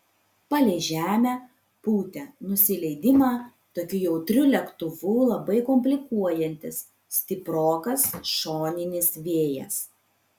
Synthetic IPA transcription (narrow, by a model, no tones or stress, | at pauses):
pɐlʲeːʒʲæːmʲæ | puːt̪ʲɛnʊsʲɪlʲɛɪd̪ʲɪmɑː | t̪oːkʲʊjɛʊt̪ʲɾʲʊlʲɛkt̪ʊʋuːlˠɐbɐɪkɔmʲpʲlʲɪkuɔjɛnʲt̪ʲɪs | sʲt̪ʲɪpɾoːkɐsʃoːnʲɪnʲɪsʋʲeːjɛ̰s